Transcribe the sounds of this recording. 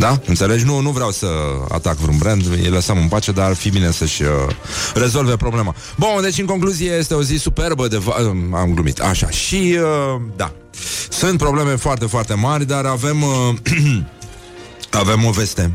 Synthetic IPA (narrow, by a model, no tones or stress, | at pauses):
d̪aɨnt̪se̞le̞d͡ʒnunuvɾeawsəa̰t̪akvɾunbɾend̪ḭləsəmɨnpat͡ʃe̞d̪arfibine̞səʃʲə̰re̞zo̞lve̞pɾo̞ble̞ma | bud̪e̞t͡ʃʲɨnŋko̞ŋkluziejest̪e̞o̞zisupe̞rbəd̪e̞vaəamɡlumḭt̪ʰa̰ʃa̰ʃiəd̪a̰ | sɨnt̪̚pɾo̞ble̞me̞foart̪e̞foart̪e̞marʲd̪aɾave̞m | ave̞mːove̞st̪e̞